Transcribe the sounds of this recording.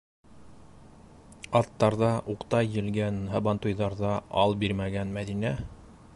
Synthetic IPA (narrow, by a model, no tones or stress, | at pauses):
ɑt̪ːɑɾðɑʔuqt̪ɑjːɘ̆lɡænɦɑbɑnt̪ujðɑɾðɑɑlˠbiɾmæɡænmæðinæ